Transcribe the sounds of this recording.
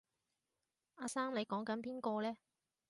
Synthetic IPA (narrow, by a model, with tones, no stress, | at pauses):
aː˧saː˥mle˨˧jkɔː˨˥ŋkɐ˨˥npiː˥nkɔː˧lɛː˥